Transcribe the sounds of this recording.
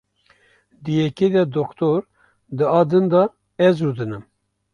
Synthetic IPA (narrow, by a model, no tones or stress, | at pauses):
d̪ɨjɛked̪ɛd̪okt̪ʰoɾ | d̪ɨɑːd̪ɨnd̪ɑ | ɛzɾud̪ɨnɨm